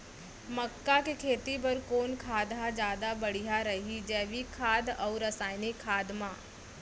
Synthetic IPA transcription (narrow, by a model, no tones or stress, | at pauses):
məkːakekʰeːt̪ipɐɾkoːnkʰaːd̪ʱad͡ʒjaːd̪abɐɽ̤ijaɾɐɦid͡ʒɛːʋikʰːaːd̪ɔːɾɐsaːjnikʰːaːd̪mãː